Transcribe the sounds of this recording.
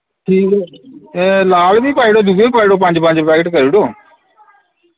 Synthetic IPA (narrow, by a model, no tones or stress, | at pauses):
ʈʰiːkː | laːlbiːpaːiːɽoːd̪uɡeːpaːiɽoːpə̃ɲd͡ʒpə̃ɲd͡ʒpɛːkəʈkəɾiːɽoː